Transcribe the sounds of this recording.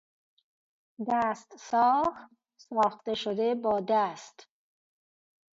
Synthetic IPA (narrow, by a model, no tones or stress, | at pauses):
d̪æːst̪sɒːx | sɑːxt̪e̞ʃod̪ebɒːd̪æst̪